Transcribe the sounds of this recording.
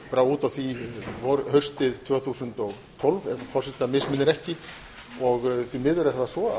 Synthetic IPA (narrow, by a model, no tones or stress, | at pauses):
paɾauːt̪awθivɔɾhœɥr̥st̪ɪðt̪ʰvœːθusʏnt̪ɔɣ | t̪ʰɔlvɛvfɔr̥sɛt̪amɪsmɪnːɪɾɛhcɪ | ɔɣθimɪːðʏɾɛɾaasvɔa